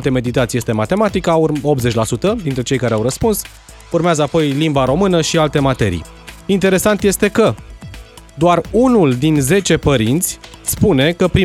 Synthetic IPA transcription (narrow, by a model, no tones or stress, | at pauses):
lt̪e̞me̞d̪it̪at̪sije̞st̪emat̪e̞mat̪ikauop̪̚ze̞t͡ʃʲlasut̪əd̪int̪ɾe̞t͡ʃe̞jkaɾeawɾəspuns | urmeazəapo̞jlimbaɾo̞mɨnəʃialt̪e̞mat̪e̞̰ɾḭ | int̪e̞ɾe̞sant̪je̞st̪e̞kə | d̪oarunuld̪inze̞t͡ʃe̞pəɾint̪sʲspune̞kəpɾi